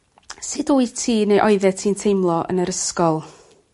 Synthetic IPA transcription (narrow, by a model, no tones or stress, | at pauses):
sɪdoːitʰiːnejʔɔɨðɛtʰiːntʰejmlˠɔʔə̰nəɾəskɔlˠ